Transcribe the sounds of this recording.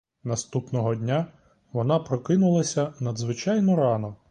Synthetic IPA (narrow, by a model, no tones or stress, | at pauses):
nɐst̪upnɔɦɔdʲnʲa | ʋɔnɑpɾɔkɪnʊlˠɐsʲɐnɐd̪zʋɪt͡ʃɑjnɔɾɑnɔ